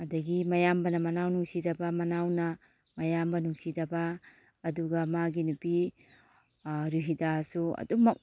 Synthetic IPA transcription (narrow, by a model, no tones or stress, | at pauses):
ɐdɐɡimɐjambɐnɐmɐnawnuŋsidɐbɐmɐnawnɐ | mɐjambɐnuŋsidɐbɐː | duɡɐmaɡinupi | ɾuɦidasuɐ̰dumɐk̚